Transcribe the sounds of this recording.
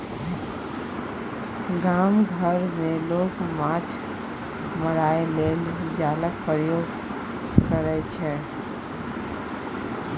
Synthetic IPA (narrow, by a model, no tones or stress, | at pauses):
ɡamɡʱəɾmelokmãt͡ʃʰ | məɾaeleld͡ʒalək̚pɾəjoɡ | kəɾɛt͡ʃʰɛ